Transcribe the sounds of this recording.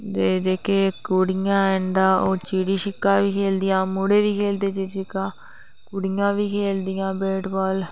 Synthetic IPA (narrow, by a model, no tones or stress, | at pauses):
d̪eːd͡ʒeːkeːkuɽɪjãːɛ̃nd̪aːoːt͡ʃiːɽiːʃɪkːãːʋiːkʰeːld̪ɪjãːmʊɽeːʋiːkʰeːld̪eːd͡ʒeːʃɪkãː | kʊɽɪjãːʋiːkʰeːld̪ɪjãːbeːʈbaːl